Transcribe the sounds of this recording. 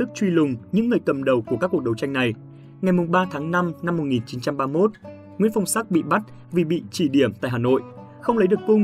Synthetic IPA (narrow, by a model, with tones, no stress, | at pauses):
ɨ˦˥k̚t͡ɕwi˧lʊ˨˩ŋ͡mɲɨ̰˧˥ŋːɨ˨˩əjkə˨˩mɗə˨˩wku˧˩əkaː˦˥kːu˨˩k̚ɗə˨˩wt͡ɕa˧jŋna˨˩j | ŋa˨˩jmʊ˨˩ŋ͡mɓaː˧t̪ʰaː˨˦ŋna˧mna˧mːo˨˩t̚ŋi˨˩nt͡ɕi˨˦nt͡ɕa˧mɓaː˧mo˦˥t̚ | ŋwḭ˧˥ənfa˧˩wŋ͡msa˦˥k̚ɓḭ˧˨ɓa˦˥t̚ | vi˨˩ɓḭ˧˨t͡ɕi˧˩ɗi˧˩əmt̪a̰ː˧˨jɦaː˨˩no̰˧˨jʔ | xə˧wŋ͡mlə˨˦jɗək̚ko˧